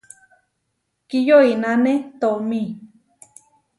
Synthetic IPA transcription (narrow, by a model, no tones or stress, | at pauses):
kijoinanet̪omi